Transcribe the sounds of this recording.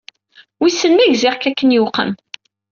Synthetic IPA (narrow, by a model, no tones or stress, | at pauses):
wisːənmæʝziʁkækːənjuqə̰n